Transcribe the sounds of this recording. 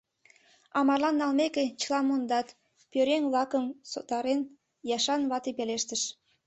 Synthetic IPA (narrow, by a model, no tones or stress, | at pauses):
ɑmɑrlɑnːɑlmeket͡ɕə̥lɑmond̪ɑt̪ | pøɾeŋlɑkəmsot̪ɑɾen | jɑʃɑnβɑt̪ipeleʃt̪əʃ